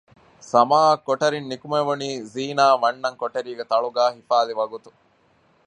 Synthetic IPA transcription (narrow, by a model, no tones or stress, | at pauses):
sɐmaːɐkːoʈɐɾinːikumeʋuniːziːnaːʋɐnːɐŋkoʈɐɾiːɡet̪ɐɭuɡaːɦifaːliʋɐɡut̪u